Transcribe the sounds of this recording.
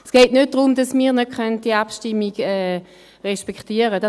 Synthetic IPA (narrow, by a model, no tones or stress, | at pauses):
sɡ̥ɛːtnøt̚d̥ʁʊmdɑsmiːʁnø̥kœnt̚d̥iəapʃtimːiɡɛː | ʁɛʃpɛkχtiːəʁədɑ